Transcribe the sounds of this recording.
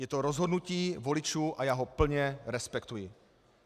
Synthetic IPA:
jɛt̪oɾozɦo̞dnuciːvo̞lɪt͡ʃuːʔajaːɦo̞pl̩ɲɛɾɛspɛkt̪ujɪ

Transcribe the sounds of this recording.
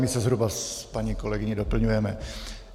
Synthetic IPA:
mɪsɛzɦɾubaspaɲiko̞lɛɡɪɲɪdo̞pl̩ɲujɛmɛ

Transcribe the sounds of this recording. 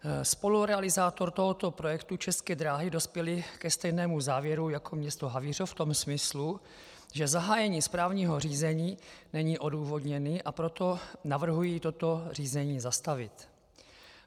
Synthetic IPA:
spo̞luɾɛalɪzaːt̪o̞ɾt̪o̞ɦo̞t̪o̞pɾojɛkt̪ut͡ʃɛskɛːd̪ɾaːɦɪdo̞spjɛlɪkɛst̪ɛjnɛːmuzaːvjɛɾujakʰo̞mɲɛst̪oɦavir̝oft̪o̞msmɪslu | ʒɛzaɦaːjɛɲiːspɾaːvɲiːɦo̞r̝iːzɛɲiːnɛɲiːʔo̞duːvo̞dɲɛniːʔapɾo̞t̪o̞navr̩ɦujiːt̪o̞t̪o̞r̝iːzɛɲiːzast̪avɪt̪

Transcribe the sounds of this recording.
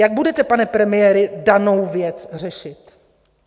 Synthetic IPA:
jaɡ̚budɛt̪ɛpanɛpɾɛmɪjɛːɾɪdanowvjɛt͡sr̝ɛʃɪt̪

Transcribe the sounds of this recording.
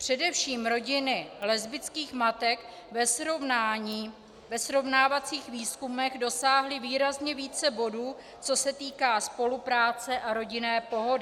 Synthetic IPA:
pr̝̥ɛdɛfʃiːmɾo̞ɟɪnɪlɛzbɪt͡skiːxmat̪ɛk | ɛsovnaɲiː | vɛsɾo̞vnaːvat͡siːxviːskumɛɣdo̞saːɦlɪviːɾazɲɛviːt͡sɛbo̞duː | t͡so̞sɛt̪iːkaːspo̞lupɾaːt͡sɛʔaɾo̞ɟɪnɛːpo̞ɦo̞dɪ

